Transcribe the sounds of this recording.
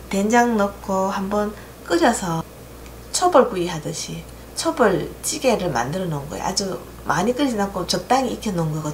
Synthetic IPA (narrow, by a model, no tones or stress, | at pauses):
tend͡ʑaŋnʌkʰohambʌn | k͈ɯɾjʌsʰʌ | t͡ɕʰobɯɭkuiɦadɯɕʰi | t͡ɕʰobɯɭt͡ɕ͈iɡe̞ɾɯɭma̰ndɯɾʌnonɡʌ̰jḛʔa̰d͡ʑu | mʔaɲik͈ɯɾd͡ʑinakʰot͡ɕʌp̚t͈aŋiikʰʌnonɡʌɡʌ